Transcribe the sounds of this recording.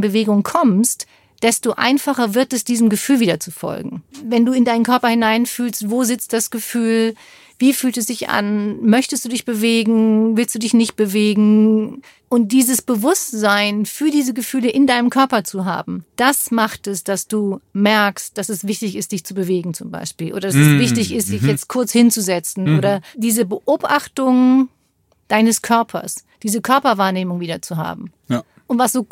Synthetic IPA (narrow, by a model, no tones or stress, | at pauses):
bəveːɡʊŋkʰɔmst | d̥ɛstoʔa̰ɪnfaχɐvɪɐtɛsd̥iːzəmɡəfyːlviːdɐt͡sufɔ̰lɡŋ̩vɛnduːɪndaɪnənkʰœɐpɐhɪnaɪnfyːlstvoːzɪt͡st̚d̥asɡ̥əfyːl | viːfyːltɛsd̥ɪçʔa̰nmœçtəsd̥uːdɪçb̥əveːɡŋ̩vɪlstd̥uːdɪçnɪçt̚b̥əveːɡŋ̩ | ʔʊnt̚d̥iːzəsb̥əvʊstz̥aɪnfyːɐdiːzəɡəfyːləʔɪndaɪnəmkʰœɐpɐt͡suɦa̰ːbm̩d̥asmaχtɛsd̥asd̥uːmɛɐkst̚d̥asɛsv̥ɪçtɪçɪst̚d̥ɪçt͡subəveːɡŋ̩t͡sʊmba̰ɪʃpiːlʔo̰ːɾɐdasɛsvɪçtɪçɪstd̥ɪçjɛt͡st̚kʰʊɐt͡shɪnt͡suzɛt͡sn̩ʔoːɾɐd̥iːzəbəʔoːbʔaχtʊŋ | d̥aɪnəskʰœɐpʰɐ̰sd̥iːzəkʰœɐpɐvaːɐneːmʊŋviːdɐt͡suɦa̰ːbm̩ | ʔʊntv̥asd̥oː